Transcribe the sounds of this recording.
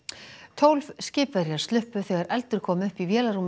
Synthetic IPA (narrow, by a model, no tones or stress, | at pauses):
t̪ʰowlvscɪːpvɛɾjaɾ̥st̪lʏhpʏθɛːɣaɾɛlt̪ʏɾ̥kʰɔːmʏhpivjɛːlaɾuːm